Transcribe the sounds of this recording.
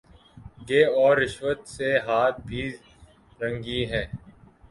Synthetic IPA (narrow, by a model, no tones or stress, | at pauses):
ɡeːɔːɾːɪʃʋət̪seɦaːt̪̚bʱiː | ɾə̃ŋɡiɦɛː